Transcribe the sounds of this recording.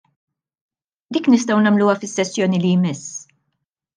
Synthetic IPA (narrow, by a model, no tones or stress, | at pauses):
d̪iːknɪst̪ɐwnɐmluːɐfɪsːɛsːjɔːnilijmɪs